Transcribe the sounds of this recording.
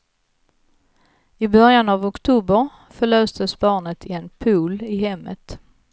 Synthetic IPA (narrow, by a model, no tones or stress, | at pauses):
ɪbœɾjanavɔkt̪ʰuːbəɾ | fœɭøːsd̪əsbɑːɳət̪ʰɪɛnpʰuːlɪɦɛmːət̪